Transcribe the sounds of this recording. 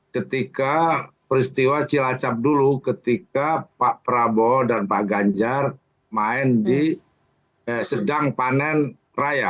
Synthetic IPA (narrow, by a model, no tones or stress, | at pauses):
kət̪ika | pəɾist̪iwat͡ʃilat͡ʃap̚dulukət̪ikapaʔpəɾabɔdanpaʔɡaɲd͡ʒar | maɪndi | sədaŋpanɛn | raja